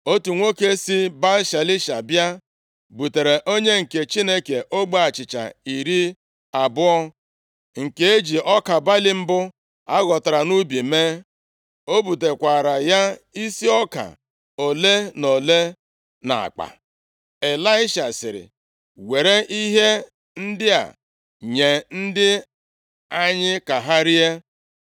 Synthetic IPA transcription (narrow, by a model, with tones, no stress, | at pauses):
o˦tu˨ŋʷo˦ke˦si˦ba˦lʃa˨lɪ˦ʃa˨bja˦ | bu˨te˨ɾe˨ʔo˦ɲe˦ŋ̩˨ke˨t͡ʃi˦ne˦ke˨ʔo˦ɡ͡ba˦a˨t͡ʃɪ˨t͡ʃa̰˨i˨ɾi˦ | a˨bʊ˦ɔ˦ | ŋ̩˨ke˦e˦d͡ʒi˨ɔ˦ka˨ba˦lɪ˦m̩˦bʊ˦ | a˦ɣɔ˨ta˨ɾa˨nu˦bi˨me˦ | o˦bu˨t̬e˨kʷa˨ɾa˨ja˦i˦si˦ɔ˦ka̰˨ | o˨le˦no˨le˦ | na̰˨a̰˨k͡pa̰˨ | e˨la˦ɪ˦ʃa˨sɪ˨ɾɪ̰˨ | we˨ɾe˦ʔi˦ɦe˦ | n̩˦dɪ˦a̰˨ | ɲe˨n̩˦dɪ˦ | a˦ɲɪ˦ka˨ɦa˦ɾi˦e˦